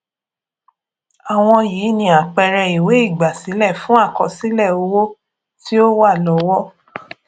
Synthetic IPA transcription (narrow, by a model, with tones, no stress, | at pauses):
a˨w̃ɔ̃˧jiː˨˦nĩ˧a˨k͡pɛ˧ɾɛ˧i˨we˨˦i˦˨ɡ͡ba˨si˨˦lɛ˦˨fũ˦a˦˨kɔ˧si˦lɛ˦˨o˧wo˦ | ti˦o˦wa˦˨lɔ˨˦wɔ˦